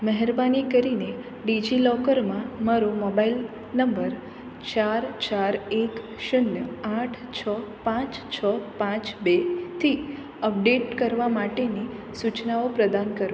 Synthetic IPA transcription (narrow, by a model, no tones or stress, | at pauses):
məɦɛɾbanikəɾine | ɖid͡ʒilɔkəɾmãmaɾomɔbail | nəmbəɾ | t͡ʃaɾt͡ʃaɾek | ʃənjəaʈʰt͡ʃʰəpãt͡ʃt͡ʃʰəpãt͡ʃbet̪ʰi | əp̚ɖeʈkəɾʋamaʈeni | sut͡ʃnaopɾəd̪ankəɾʋ